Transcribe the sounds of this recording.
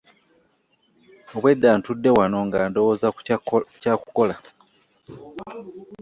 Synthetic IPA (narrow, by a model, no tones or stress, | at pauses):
oβwe̞dːaːntudːe̞wano̞ŋɡaːndowoːzacaːkuko̞la